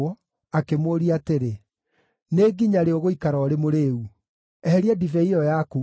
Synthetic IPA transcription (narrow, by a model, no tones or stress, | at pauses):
ɔ | akemoːɾiateɾe | neɡiɲaɾeoɣoikaɾɔɔɾemoɾeːu | ɛhɛɾiadivɛiɔjaku